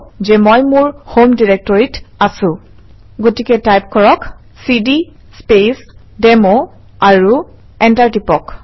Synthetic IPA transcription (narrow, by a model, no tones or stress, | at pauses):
zɛmojmʊɹhomdiɹɛk̚tɔɹitasʊ̃ | ɡotikɛtajp̚kɔɹɔk | sidi | spes | dɛmo | aɹu | ɛntaɹtipɔk